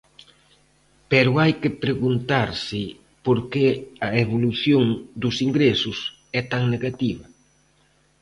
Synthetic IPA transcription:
pɛɾʊajkɪpɾeɣunt̪aɾsɪ | poɾkeɐeβoluθjoŋd̪ʊsiŋɡɾesʊs | ɛt̪aŋneɣat̪iβɐ

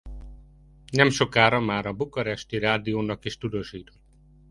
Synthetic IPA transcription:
nɛmʃo̞kaːɾɒmaːɾɒbukɒɾɛʃt̪iɾaːd̪ijoːnɒkiʃt̪ud̪oːʃiːt̪ot̪ː

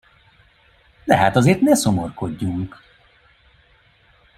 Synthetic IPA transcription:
d̪ɛɦaːt̪ɒzeːrt̪nɛso̞morko̞ɟːuŋk

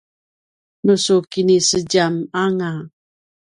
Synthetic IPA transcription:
nusukinisəd͡ʒamaŋa

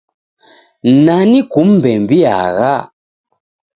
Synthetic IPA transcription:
nanikum̩bɛmbia̰ɣa

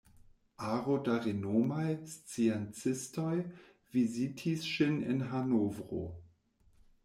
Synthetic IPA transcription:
ʔaʁodaʁenomajst͡siɛnt͡sɪstoj | vizitʰisʃinɪ̰nɦanovʁo̰

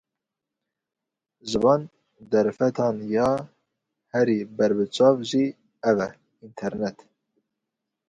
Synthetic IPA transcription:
ʒɨvɑːn | d̪ɛɾfɛt̪ʰɑːnjɑː | hɛɾibɛɾbɨt͡ʃʰɑːvʒi | ɛvɛ | int̪ʰɛɾnɛt̪

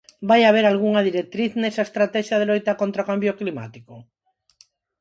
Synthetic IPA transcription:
bajaβ̞eɾalɣ̞uŋaðiɾek̚t̪ɾiθnesaest̪ɾat̪ɛʃjað̞elojt̪akont̪ɾaokambjoklima̰t̪iko

